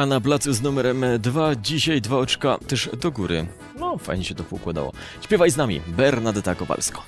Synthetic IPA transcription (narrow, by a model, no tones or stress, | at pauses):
anap̬lat̪suznumɛɾɛmd̪vad͡ʑiɕajd̪vaɔt͡ʂkat̪ɛʐd̪ɔɡuɾɘ̰ | nɔfa̰jɲɛɕɛt̪ɔpuukwad̪a̰wɔ̰ | ɕpʲɛvajznamʲḭbɛɾnad̪t̪akɔpa̰lskɔ̥